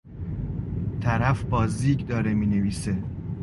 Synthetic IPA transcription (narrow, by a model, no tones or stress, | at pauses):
t̪ʰæɾæfbɒːziːɟd̪ɒːɾemiːneviːse